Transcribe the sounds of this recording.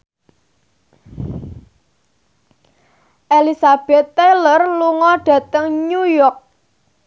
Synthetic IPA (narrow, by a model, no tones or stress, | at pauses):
ʔelisab̥ɛt̪ːelərluŋɔɖ̥ä̤t̪əŋɲujɔk̚